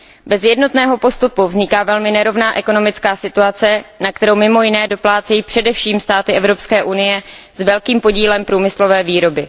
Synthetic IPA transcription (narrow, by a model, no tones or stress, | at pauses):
bɛzjɛdno̞t̪nɛːɦo̞po̞st̪upuvzɲɪkaːvɛlmɪnɛɾo̞vnaːʔɛko̞no̞mɪt͡skaːsɪt̪uat͡sɛnak̚t̪ɛɾowmɪmo̞jɪnɛːdo̞plaːt͡sɛjiːpr̥ɛdɛfʃiːmst̪aːt̪ɪʔɛvɾo̞pskɛːʔunɪjɛzvɛlkiːmpo̞ɟiːlɛmpɾuːmɪslo̞vɛːviːɾo̞bɪ